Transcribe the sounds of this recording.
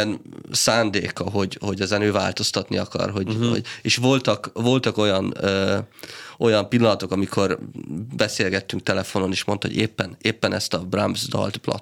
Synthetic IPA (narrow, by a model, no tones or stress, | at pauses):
ɛnsaːnd̪ḛːkɒɦo̞ɟho̞ɟɛzɛnøːva̰ːlt̪o̞st̪ɒt̪niɒkɒ̰rɦo̞ɟɦo̰eːʃʋvo̞lt̪ɒkvo̞lt̪ɒko̞jɒnøː | o̞jɒmpilːɒnɒt̪o̞kɒmikʰo̞rbɛseːlɡɛt̪ːyŋk̚t̪ɛlɛfo̞no̞neːʃmo̞nt̪ɒɦoɟeːpːɛneːpːɛnɛst̪ɒbrambzd̪ɒ̰lt̪plɒ̰t̪